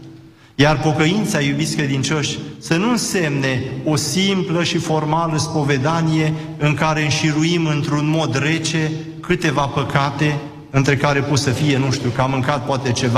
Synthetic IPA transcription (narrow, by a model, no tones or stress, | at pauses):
jarpo̞kəint̪sajubit̪sʲkɾe̞d̪int͡ʃo̞ʃʲsənuɨnse̞mne̞o̞simpləʃifo̞rmaləspo̞ve̞d̪anije̞ | ɨŋkaɾe̞ɨnʃiɾuimɨnt̪ɾunmo̞d̪re̞t͡ʃe̞ | kɨt̪e̞vapəkat̪e̞ | ɨnt̪ɾe̞kaɾe̞pot̪səfije̞nuʃt̪jukamɨŋkat̪̚poat̪e̞t͡ʃe̞va